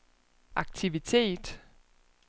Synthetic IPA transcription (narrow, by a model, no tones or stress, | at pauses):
ʔɑ̈ɡ̥̚t͡sʰiʋit͡sʰe̝̰ːd̥